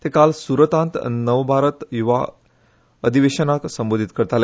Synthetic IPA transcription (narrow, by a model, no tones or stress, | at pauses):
t̪ekalsuɾət̪ãnt̪nəʋbʱaɾət̪juʋa̰ | əd̪ʱiʋeɕənaksəmbod̪ʱit̪kəɾt̪ale